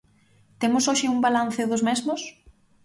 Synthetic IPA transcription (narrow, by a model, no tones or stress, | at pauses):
t̪emʊsoʃɪumbalan̟θɪðʊzmɛzmʊs